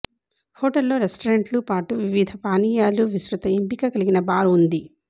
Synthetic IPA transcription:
hoːʈɐlːo̞ːɾesʈɐɾeɳʈlupaːʈuʋiʋid̪ʱɐpaːniːjaːluʋisɾut̪ɐempikɐkɐliɡinɐbaːɾuund̪i

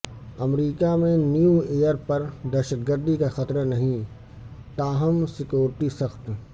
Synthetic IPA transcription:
ɐmɾiːkamẽnjueːjəɾpɐɾd̪ɛːʃəd̪̚ɡəɾd̪ikaxɐt̪ɾənɐɦĩ | t̪aːɦəmsɪkjoːɾɪʈisɐxt̪

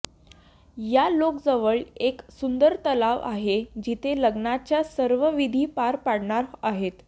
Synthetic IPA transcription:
jalokd͡zəʋəɭeksund̪əɾt̪əlaʋʔaɦed͡ʑit̪ʰeləɡnat͡ɕjasəɾʋəʋid̪ʱiːpaɾpaɽɳaɾaɦet̪

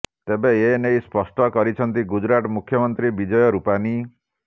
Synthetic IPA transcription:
t̪ebeenejspɔsʈɔkɔɾit͡ʃʰɔnt̪iɡud͡ʒɾaʈɔmukʰːjɔmɔnt̪ɾibid͡ʒɔjɔɾupani

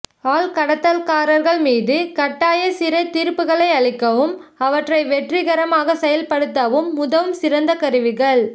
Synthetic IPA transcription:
aːlkɐɽɐt̪ːɐlkaːɾɐɾɣɐɭmiːðɯkɐʈːaːjɐsɪɾɐɪt̪ːiːɾpːɯɣɐɭɐɪɐɭɪkːɐʋɯm | ɐʋɐʈrɐɪʋɛʈrɪɣɐɾɐmaːɣɐsɛjɐlpɐɽɯt̪ːɐʋɯmːʊðɐʋɯmsɪɾɐnd̪ɐkɐɾɯʋɪɣɐɭ

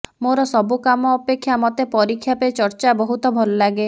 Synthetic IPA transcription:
moɾɔsɔbukamɔːpekʰːjamɔt̪epɔɾikʰːjapet͡ʃɔɾt͡ʃabɔɦut̪ɔbʱɔlɔlaɡe

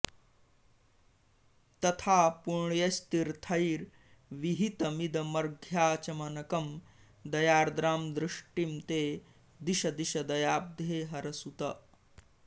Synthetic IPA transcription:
t̪ɐt̪ʰaːpuɳɳjɐst̪iɾt̪ʰɐjɾ | ʋiɦit̪ɐmid̪ɐmɐɾɡʱjaːt͡ʃɐmɐnɐkɐm | d̪ɐjaːɾd̪ɾaːmd̪ɾuʂʈimt̪eː | d̪iʃɐd̪iʃɐd̪ɐjaːb̚d̪ʱeːɦɐɾɐsut̪ɐ

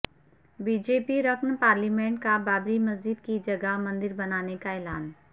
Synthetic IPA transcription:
biːd͡ʒeːpiɾɐkʰnpaːɾlimẽːɳʈ̚kabaːbɾimɐzd͡ʒɪd̪̚kid͡ʒɐɡəmɐ̃nd̪ɪɾbɐnaːnekaɛːlaːn

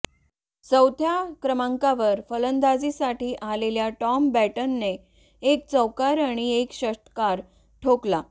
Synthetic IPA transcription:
səwt̪jakɾəmaŋkaʋəɾfələnd̪ad͡zisaʈiːʔaleljaʈɔmbæʈənːe | ek̚t͡səwkaɾaɽ̃iekɕəʂʈ̪ə̥kaɾ | ʈʰokla

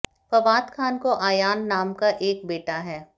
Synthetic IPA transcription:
pɐʋaːt̪kʰaːnkoʔaːjaːnːaːmkaʔeːk̚beːʈaɦɛː

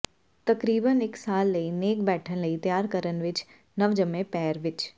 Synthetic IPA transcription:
t̪ɐkɾiːbənɪksaːlːɐineːk̚bɛːʈʰənlɐit̪jaːɾkəɾənʋɪt͡ʃ | nɐʋd͡ʒəmẽpɛːɾʋɪt͡ʃ

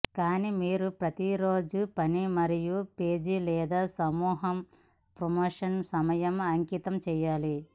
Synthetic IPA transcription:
kaːnimiːɾupɾɐt̪iɾoːd͡ʒupɐnimɐɾijupe̞ːd͡ʒilɛːd̪aːsɐmuːɦɐm | pɾomoːʂɐnsɐmɐjɐmɐŋkit̪ɐmt͡ʃɛːjaːli

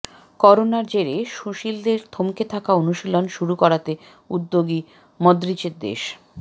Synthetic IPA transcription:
kɔɾonaɾd͡ʑeɾeʃuʃild̪eɾt̪ʰomket̪ʰakaonuʃilonʃuɾukɔɾat̪e | ud̪ːoɡi | mɔd̪ɾit͡ɕeɾd̪ḛʃ

